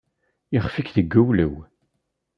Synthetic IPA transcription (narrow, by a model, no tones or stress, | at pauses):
iχfikðəɡːəwləw